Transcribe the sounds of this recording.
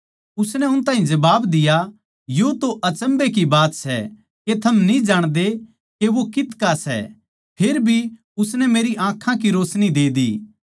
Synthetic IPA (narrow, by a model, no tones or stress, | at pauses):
ʊsnɛʊnt̪ãːɦĩd͡ʒɐbaːbd̪ɪja | jot̪oʔɐt͡ʃə̃mbek̬ibaːt̪sɛ̰ | ket̪ʰɐmnĩd͡ʒaːɽ̃d̪e | keʋokɪt̪kasɛ̰ | pʰeːɾbʱi | ʊsnɛmeːɾiʔãːkʰãk̬iɾoːsnid̪eːd̪ḭː